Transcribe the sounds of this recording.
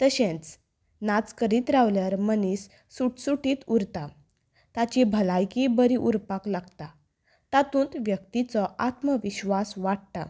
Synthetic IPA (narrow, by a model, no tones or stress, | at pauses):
t̪əɕẽt͡s | nat͡skəɾiːt̪ɾaʋljaɾmənisː | uʈsuʈiːt̪uɾt̪a | t̪at͡ɕibʱəlajkibəɾiʔuɾpaklaɡt̪a | t̪at̪ũːnt̪ʋjək̚t̪it͡sɔʔat̪məʋiɕʋasʋaʈ̚t̪a̰